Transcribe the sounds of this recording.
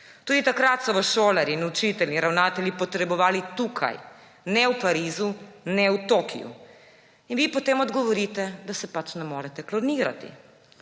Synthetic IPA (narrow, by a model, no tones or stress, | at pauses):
t̪uːd̪it̪akɾat̪sɔʋɐʃoːlaɾinut͡ʃit̪ɛlʲniɾawnaːt̪ɛlʲjipɔt̪ɾɛbɔʋaːlit̪uːkʰa̰j | nɛwpaɾiːzunɛwt̪oːkʰḭjṵ | inʋiːpɔt̪eːmɔd̪ɡɔʋɔɾiːt̪ɛd̪asɛpat͡ʃnɛmoːɾɛt̪ɛklɔniːɾa̰t̪ḭ